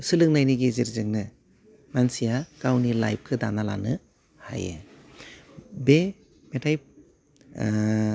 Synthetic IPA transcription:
sɯlɯŋ̚najniɡeziɾzɯŋnɯ | mansijakawnilajp̚kʰɯdanala̰nɯ | ha̰jɯ̰ | be | metʰaj̚

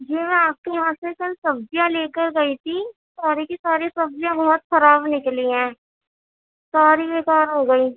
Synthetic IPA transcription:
d͡ʒiːʋɛ̃aːp̚keɦãːsekɐlsɐbd͡ʒijãleːkəɾɡɐit̪ʰi | saːɾikisaːɾisɐbzijãbɐɦɔt̪xɐɾaːbnɪkliɦɛ̃ː | saːɾibeːkaːɾɦoɡɐiː

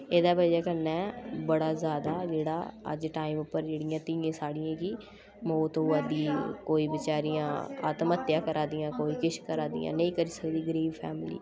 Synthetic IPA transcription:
eːd̪aːbəd͡ʒɛːkənːɛːbəɽaːzjaːd̪aːd͡ʒeːɽa̰ːə̰d͡ʒʈaːiːmʊpːəɾd͡ʒeːɽɪjãːt̪ɪjãːsaːɽɪjãːki | moːt̪uːɛːd̪iːkoːiːbɪt͡ʃaːɾijãːa̰ːt̪mət̪ːjãːkəɾʔaːd̪ijãːkoːiːkɪʃkəɾaːd̪ḭjã̰ːnə̃ĩːkəɾiːsəkd̪iːɡəɾiːbpʰɛ̰ːmɪlḭː

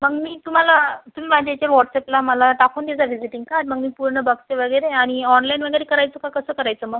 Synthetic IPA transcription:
məɡmiːt̪um̤alat̪um̤iːʋad͡ʑat͡ɕaɾʋɔʈseplaməlaʈakʰuːnd̪ed͡zaʋid͡ziʈĩŋɡkaɾɖməɡmiːpuɾɳəbaɡst͡seʋəɡəjɾeaɽ̃iɔnlajnʋəɡəjɾekəɾajt͡səkakəsəːkəɾajt͡səːməɡ

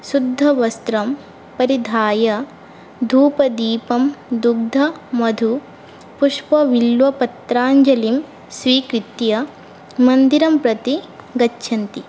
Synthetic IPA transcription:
sud̪ʱːɐʋɐst̪ɾɐm | pɐɾid̪ʱaːjɐ | d̪ʱuːpɐd̪iːpɐmd̪uɡ̚d̪ʱɐmɐd̪ʱu | puʂpɐʋilʋɐpɐt̪ɾaːɲd͡ʒɐlim | sʋiːkɾit̪jɐ | mɐnd̪iɾɐmpɾɐt̪iɡɐtːʃʰɐnt̪i

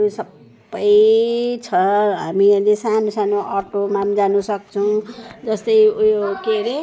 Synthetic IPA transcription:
usʌbː | ʌjt͡sʰʌɦamilesanosanoʔʌrʈomamd͡zanusʌkt͡sʰʌw̃d͡zʌst̪ʌjujokeɾe

